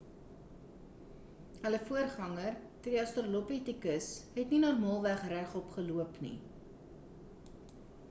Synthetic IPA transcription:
ɦələfuərχɐŋərtədiɐstorolopitikəsɦɛtninɔrmɑːlˠvæχræχɔpχəluəpnḭ

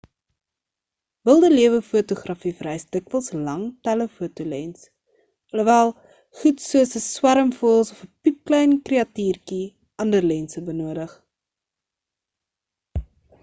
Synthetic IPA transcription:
bəlˠdəliəvəfuətuχrɐfifəɾɛjsdəkvəlˠslɐŋtæləfuətulɛns | ɐlovælˠ | χutsuəsəswæɾəmfuəlˠsɔfəpip̚klɛjnkreɐtiːrki | ʔɐndərlɛnsəbənuədəχ

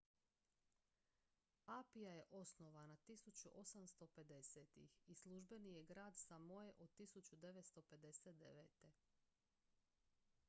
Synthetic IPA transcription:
apijaje̞ʔo̞snoʋanat̪isut͡ɕuʔo̞samst̪o̞pe̞d̪e̞seːt̪ḭxislˠuʒbe̞nije̞ɡɾaːd̪samojeʔod̪̚t̪isut͡ɕud̪eʋe̞t̪st̪o̞pe̞d̪e̞set̪̚d̪eʋḛt̪e

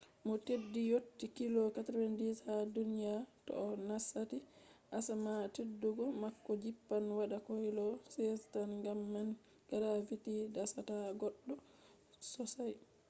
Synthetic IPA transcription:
mɔtedːijotːikilɔkatɾwɛnditadunijatɔ̰ːnasatiʔasamatedːuɡɔmakːɔd͡ʒipːanwaɗakojlɔsɛstanŋɡamːan | ɡ̥aɾavitidasataɡɔɗːɔ | sɔsaj

